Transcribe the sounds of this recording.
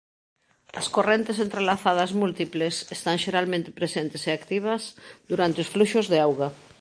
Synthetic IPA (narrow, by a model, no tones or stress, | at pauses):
ɐskorent̪esent̪ɾelaθað̞ɐzmult̪iplesest̪aŋʃeɾalmẽnt̪ɪ̥pɾesent̪eseakt̪iβ̞ɐsd̪uɾant̪eosfluʃʊzðeawɣa